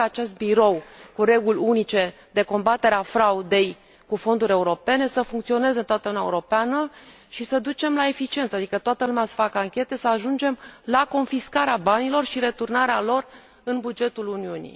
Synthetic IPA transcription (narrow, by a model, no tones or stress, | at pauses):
aat͡ʃe̞st̪̚biɾo̞wkuɾe̞ɡulʲunit͡ʃe̞ | d̪e̞ko̞mbat̪e̞ɾeafɾaud̪e̞j | kufo̞nd̪uɾʲe̞uɾo̞pe̞ne̞səfuŋkt̪sio̞ne̞zeɨnt̪oat̪əunaeuɾo̞peanə | ʃisəd̪ut͡ʃe̞mlae̞fit͡ʃie̞nt̪sad̪ikət̪oat̪əlumease̥fakəaŋkʲe̞t̪e̞səaʒund͡ʒe̞mlako̞nfiskaɾeabanilo̞rʃiɾe̞t̪urnaɾealo̞r | ɨnbud͡ʒe̞t̪uluniunḭ